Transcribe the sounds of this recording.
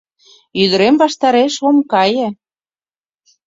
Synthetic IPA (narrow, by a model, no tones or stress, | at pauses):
yðə̆ɾemβɑʃt̪ɑɾeʃomkɑjə̆